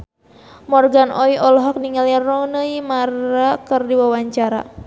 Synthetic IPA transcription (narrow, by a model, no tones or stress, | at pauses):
mɔrɡanʔɔiʔɔlɔɦɔk̚niŋalirɔŋnəimarakərdiwawaɲt͡ʃaɾa̰